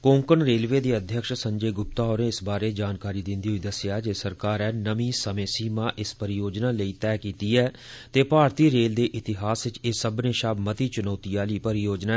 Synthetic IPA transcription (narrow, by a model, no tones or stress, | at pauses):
kõːŋkənɾeːlʋeːd̪eːəd̪ʱjəkʃsəɲd͡ʒeːɡʊp̚t̪aːɦoːɾẽːɪsbaːɾeːd͡ʒaːnkaːɾiːd̪ɪ̃nd̪iːɦoiːd̪əsjaːd͡ʒeːsəɾkaːɾɛːnəmĩːsəmẽːsiːmãːʔɪspəɾɪjoːd͡ʒnaːləiːt̪ɛːkiːt̪iːɛː | t̪eːpaːɾt̪iːɾeːld̪eːʔɪt̪ɪɦaːsʋɪt͡ʃesəbnẽːʃaːbmət̪iːt͡ʃʊnaːt̪iːaːliːpəɾɪjoːd͡ʒnaː